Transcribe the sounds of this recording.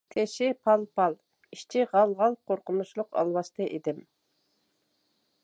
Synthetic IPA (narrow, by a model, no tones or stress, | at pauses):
t̪ʰeʃɪpʰɑlˠpʰɑlˠ | iʃt͡ʃʰɪʁɑlˠʁɑlˠqʰoɾqʊnuʃlˠʊqɑ̰lˠwɑʃt̪ɨʔed̪ɪm